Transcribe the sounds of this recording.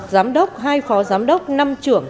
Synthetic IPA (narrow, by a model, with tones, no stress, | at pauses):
t̚zaː˨˦mɗə˦˥wk͡p̚ɦaː˧jxɔ˨˦zaː˨˦mɗə˦˥k͡p̚na˧mt͡ɕɨ˧˩əŋ